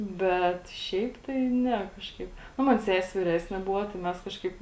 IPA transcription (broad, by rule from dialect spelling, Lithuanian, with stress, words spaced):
ˈbʲɛt ˈʃʲɛɪp tɐɪ ˈnʲɛ ˈkɑːʃkɐɪp ˈnʊ ˈmɐn ˈsʲæːsʲɪ ʋʲɪˈrʲæːsʲnʲɪ ˈbʊʋoː tɐɪ ˈmʲɛs ˈkɑːʃkɐɪp